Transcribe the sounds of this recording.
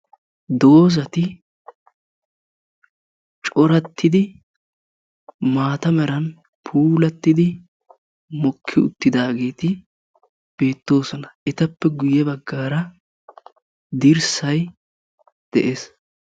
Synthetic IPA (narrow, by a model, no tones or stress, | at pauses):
d̪o̞ːz̬ɐt̪ɪ | t͡ʃʼɔɾɐt̪ːɪd̪ɪ | maːt̪ɐmɛɾɐn | pʰuːlɐt̪ːɪd̪ɪ | mɔkʰːɪʊ̰t̪ːɪd̪aːɡe̞ːt̪ɪ | b̥e̞ːt̪ːo̞ːsɔnɐʔɛt̪ɐpːɛɡʊjɛbɐɡːaːɾɐ | d̪ɪɾsɐj | d̪̥ɛ̰ʔes